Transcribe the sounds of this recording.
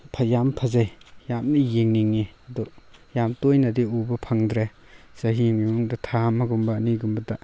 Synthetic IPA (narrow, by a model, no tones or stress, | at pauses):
pʰɐjampʰɐzajjamnijeŋniŋːiɐdɔjamtojnɐdiubɐpʰɐŋdɾe | saɦiŋiŋuŋdɐtʰamɐɡumbɐːniɡumbɐda